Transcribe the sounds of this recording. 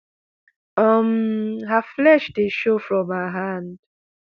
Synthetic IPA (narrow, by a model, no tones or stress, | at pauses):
ʌmɦaflɛʃdeʃofɹɔ̃maɦand̥